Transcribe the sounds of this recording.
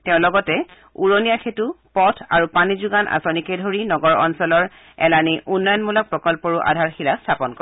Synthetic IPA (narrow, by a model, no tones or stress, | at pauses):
tɛʊ̃lɔɡɔtɛ | uɹonijaxʰetupɔtʰa̰ɹupanizuɡanʔa̰sonikejdʱoɹinɔɡɔɹɔ̰nsɔlɔɹ | ɛ̰laniʔunːɔjɔnmulɔk̚pɹɔkɔlpɔɹuʔa̰dʱaɹxilastʰapɔnkɔ